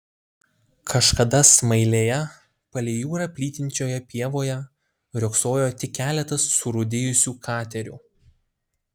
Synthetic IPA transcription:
kʰɐʃkɐd̪ɐsmɐɪlʲeːjɛ | pɐlʲɛjuːɾɐpʲlʲiːt̪ʲɪnʲt͡ʃʲoːjɛpʲiɛʋoːjɛ | ɾʲʊksoːjoːt̪ʲɪkʲːæːlʲɛt̪ɐsːʊɾʊd̪ʲɪjʊsʲuːkʰɑːt̪ʲɛɾʲṵː

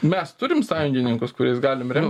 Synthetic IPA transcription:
mʲɛst̪ʊɾʲɪmsɑːjʊŋʲɡʲɪnʲɪŋkʊskʊɾʲɛɪsɡɑːlʲɪmɾʲɛm

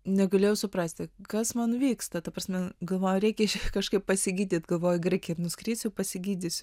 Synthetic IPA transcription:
nʲɛɡɐlʲeːjɛʊsʊprɐsʲt̪ʲɪkɐsmɐnʋʲiːkst̪ɐt̪ɐprɐːsʲmʲɛɡɐlˠʋoːjɛɾʲɛɪkʲɛkɐʃkɐɪppɐsʲɪɡʲiːd̪ʲiːt̪ɡɐlˠʋoːjɡrɐɪkʲɛnʊsʲkɾʲiːsʲɛʊpɐsʲɪɡʲiːdʲɪsʲʊ

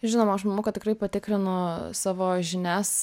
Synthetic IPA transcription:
ʒʲɪnoːmɐɐʃmɐmoːkɐt̪ʲɪkrɐɪpɐt̪ʲɪkɾʲɪnʊsɑːʋoːʒʲɪnʲæːs

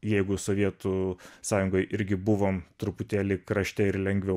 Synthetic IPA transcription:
jɛɪɡʊsoːʋʲiɛt̪usɑːjʊŋɡoːjʔɪɾʲɡʲɪbʊʋoːmt̪ɾʊpʊt̪ʲeːlʲɪːkɾɐʃʲt̪ʲɛɪɾlʲɛŋʲɡʋʲɛʊ

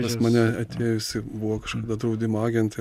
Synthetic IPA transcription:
ɐsmɐnʲɛɐt̪ʲeːjjʊsʲɪbʊʋoːkɐʃkɐd̪ɐd̪ɾɐʊd̪ʲɪmoɑːɡʲɛnt̪ɐ

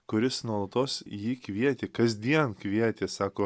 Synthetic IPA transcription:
kʊɾʲɪsnuɔlˠɐt̪oːsjiːkʋʲiɛt̪ʲeːkɐzʲd̪ʲiɛnkʋʲiɛt̪ʲeːsɑːkoː

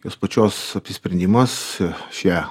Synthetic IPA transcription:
joːspɐt͡ʃʲoːsɐpʲsʲɪsʲpʲɾʲɛnʲd̪ʲɪmɐsʃʲɛ

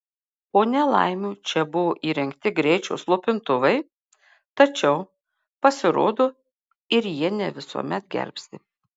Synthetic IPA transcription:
poːnʲɛlˠɐ̰ɪmʲuːt͡ʃʲɛbʊʋoːʔiːɾʲɛŋʲkt̪ʲɪɡɾʲɛɪt͡ʃʲɛʊslˠʊpʲɪnt̪ʊʋɐɪ | t̪ɐt͡ʃʲɛʊ | pɐsʲɪɾo̰ːd̪oː | ɪɾjiɛnʲɛʋʲɪsṵɔmʲɛt̪ɡʲɛ̰ɾʲpʲst̪ʲɪ

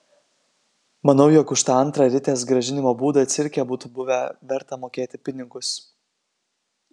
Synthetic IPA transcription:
mɐnɐʊjɔkʊʃt̪ɑɐnˑt̪ɾɑɾʲɪt̪ʲeːsɡɾɐʒʲɪnʲɪmoːbuːd̪ɑːt̪sʲɪɾʲkʲɛbuːt̪ʊbʊʋʲɛʋʲɛɾt̪ɐmoːkʲeːt̪ʲɪpʲɪnʲɪɡʊs

